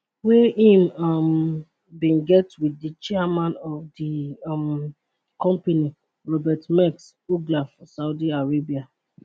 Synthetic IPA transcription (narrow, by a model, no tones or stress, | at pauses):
wɛĩmam | bĩnɡɛtwidət͡ʃɛamãnɔvdim | kɔ̃mpeni | ɹɔbɛtmɛks | uɡlafɔsaʊdiaɹebia